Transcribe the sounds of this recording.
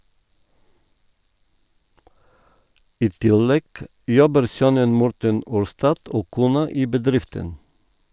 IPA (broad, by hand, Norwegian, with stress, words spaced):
ˈiː ˈtɪlɛɡ ˈjɔbəɾ ˈsœnən ˈmɔɾtən ˈuːɾstɑd ˈoː ˈkuːnɑ ˈiː bəˈdɾɪftən